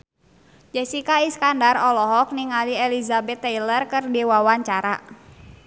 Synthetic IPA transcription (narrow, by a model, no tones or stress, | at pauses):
d͡ʒɛsikaiskandarɔlɔɦɔk̚niŋalielizabɛt̪ːɛjlərkɨrdiwawaɲt͡ʃaɾa